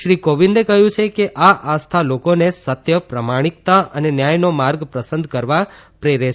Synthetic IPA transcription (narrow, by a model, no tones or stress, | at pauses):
ʃɾikoʋind̪ekəɦjũt͡ʃʰekeʔaʔast̪ʰalokonesət̪jəpɾəmaɽ̃ik̚t̪aənenjajnomaɾɡpɾəsənd̪ʱkəɾʋapɾeɾe